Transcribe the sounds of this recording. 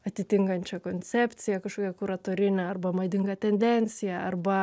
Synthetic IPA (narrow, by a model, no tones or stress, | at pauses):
ɐt̪ʲɪt̪ʲɪŋkɐnʲt͡ʃʲɛkoːnʲt͡s̪ʲɛpʲt̪sʲɪjɛkɐʃkoːkʲɛkʊɾɐt̪oːɾʲɪnʲɛɐrbɐmɐd̪ʲɪŋɡɐt̪ʲɛnʲd̪ʲɛnʲt͡s̪ʲɪjɛɐrbɐ